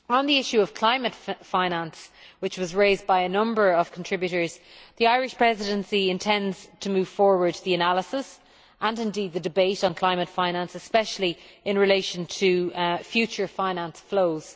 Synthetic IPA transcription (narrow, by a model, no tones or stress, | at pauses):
ə̃nðiɪʃʉəv̥kʰl̥ãɪ̃mətfãɪ̃nãnswɪt͡ʃwɒzɹeɪzbaɪənʌ̃mbə˞əv̥kʰntʰɹ̥ɪbjʉɾə˞z̥ðiaɪɹɪʃpʰɹ̥ɛzɪɾə̃nsiɪ̃ntʰɛ̃ndz̥tʰəmʉːv̥fɔɹwə˞d̪̚ðiənaləsɪs | ʔə̃nɪ̃ndiːd̪̚ðədɨbeɪɾn̩kʰl̥ãɪ̃mətfãɪ̃nãnsəspɛʃəl̩iɪ̃nɹɪleɪʃə̃ntʰəfjʉt͡ʃə˞fãɪ̃nãnsfloʊz̥